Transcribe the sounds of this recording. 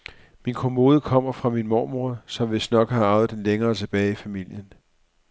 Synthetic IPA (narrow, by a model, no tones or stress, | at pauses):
minkʰomo̝ːð̞ˠəkʰɒ̽m̰ɐfʁɑ̈minmɒːmuɐsɒ̽mʋe̝sd̥nɒ̽ɡ̥hɑ̈ɑ̈ʊð̩ˠd̥enleŋɐːt͡sʰe̝b̥ɛːɪifæmil̰jən